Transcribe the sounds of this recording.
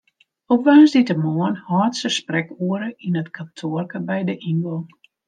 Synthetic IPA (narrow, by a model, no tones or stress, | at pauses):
opʋaːnzditəmɔːənhɔːtsəsprɛkuəɾəʔinətkʰantʰoərkəbɛjdəʔinɡol